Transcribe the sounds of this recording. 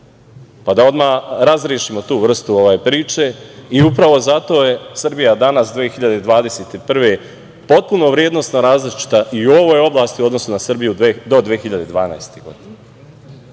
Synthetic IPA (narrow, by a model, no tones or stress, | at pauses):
pad̪ao̞d̪maːɾazɾjeʃimo̞t̪uːʋr̩st̪uo̞ʋajpɾiːt͡ʃe̞iupɾaʋo̞zat̪o̞ːje̞sr̩bijad̪anasd̪ʋeːxiʎad̪e̞d̪ʋaːd̪e̞set̪ipr̩ʋe̞ | po̞t̪̚puno̞ʋɾjed̪no̞st̪noɾaːzlit͡ʃi̥t̪aʔiuoʋo̞jo̞blˠaːst̪io̞d̪no̞sunasr̩bijud̪o̞d̪ʋeːxiʎad̪ed̪ʋaːna̰jest̪eɡo̞̰d̪ine